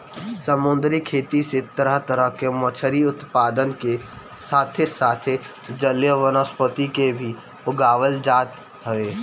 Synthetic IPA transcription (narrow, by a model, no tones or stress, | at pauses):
səmʊnd̪ɾikʰeːt̪iset̪əɾəɦt̪əɾəɦkemɐt͡ʃʰəɾiʊt̪paːd̪ənke | saːt̪ʰesaːt̪ʰe | d͡ʒəljəʋənəspət̪ikebʱi | ʊɡaːʋəld͡ʒaːt̪ | ɦəʋeː